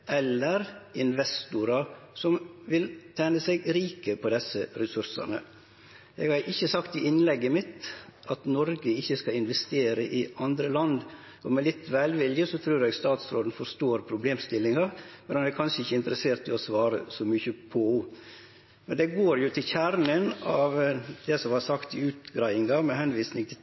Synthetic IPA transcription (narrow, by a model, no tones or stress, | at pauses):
ʔɛlːəɾɪnʋɛst̪ʊɾɑɾsɔmʋɪlt̪ʰɛːnəsɛɡɾiːkəpʰɔd̪ɛsːəɾɛsʉɾsɑ̰nə̰ | ɛɡhɑɾʔɪçːəsɑkt̪ɪɪnlɛɡːəmɪt̪ʔɑt̪nɔɾɡəɪçːəskɑɪnʋɛst̪eːɾəʔɪɑnd̪ɾəlɑnd̪ | ʔɔmɛlɪt̪ːʋæːlʋɪljəsɔt̪ʰɾʉːɾɛɡst̪ɑːt̪sɾoːd̪ən̩fɔɾst̪oːɾpʰɾʊbleːmst̪ɪlːɪŋɑmɛnɑnɛɾkʰɑnʂəɪçːəɪnt̪əɾəseːɾt̪ʰːɪlɔsʋɑːɾə̰sɔmʏçəpʰɔ | mɛnd̪ɛɡoːɾjʊt̪ʰɪlçæɾnənɑʋd̪̥ɛsɔmhɑɾsɑkt̪ɪʉːt̪ɡɾæɪɪŋɑmɛhɛnʋiːsnɪŋt̪ʰɪ